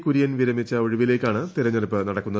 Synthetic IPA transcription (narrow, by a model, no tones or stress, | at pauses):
kuɾijɐnʋiɾɐmit͡ɕːɐo̞ɻiʋile̞ːkʲːaːɳɨt̪iɾɐɲːɐlɐpːɨnɐɽɐkːunːɐð